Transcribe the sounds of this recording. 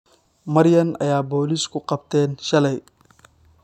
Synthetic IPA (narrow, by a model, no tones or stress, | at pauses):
mɐɾjɐnʔɐ̰jaːboːliːskʰʊqɑbt̪ʰɛːnʃɐlɐj